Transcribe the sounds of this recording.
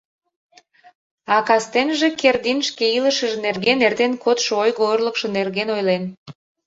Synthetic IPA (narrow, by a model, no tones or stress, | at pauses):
ɑkɑst̪enʒekerd̪inʃkeiləʃəʒenerɣenert̪enkot̪ʃoojɣoorləkʃonerɣenojlen